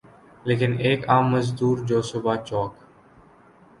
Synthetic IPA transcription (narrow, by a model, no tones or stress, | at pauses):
leːkineːkaːmːəzd̪uːɾd͡ʒoːsobat͡ʃɔːk